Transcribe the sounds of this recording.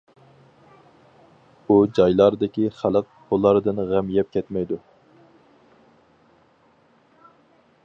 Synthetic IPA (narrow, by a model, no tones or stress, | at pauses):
ud͡ʒɑjlˠɑɾɨd̪ɪkʲiχælˠəq̚b̥olˠːɑɾɨd̪ɨnʁæmjɛp̚kʲʰɛt̪mɛjd̪u